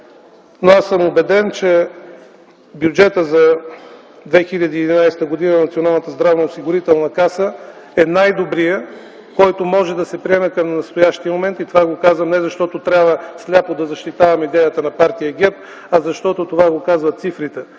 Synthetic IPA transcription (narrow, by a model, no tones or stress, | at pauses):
noasəmobɛd̪ɛnt͡ʃɛ | bjud͡ʒɛt̪əzɐ | d̪vɛxilʲəd̪iːd̪inajst̪əɡod̪inənɐt̪sionalˠnət̪əzd̪ɾavnɐosiɡʊɾit̪ɛlˠnɐkasə | ɛnajd̪obɾijə | kɔjt̪omɔʒɛd̪ɐsɛpɾiɛmɛkəmnɐst̪ojaʃt̪ijəmomɛnt̪it̪ovaɡokazvəmnɛzɐʃt̪ɔt̪ot̪ɾʲabvəslʲapod̪ɐzɐʃt̪it̪avɐmɛid̪ɛjət̪ənɐpaɾt̪ijəɡʲɛɾp | ɐzɐʃt̪ɔt̪ot̪ovaɡokazvɐt̪sifɾit̪ɛ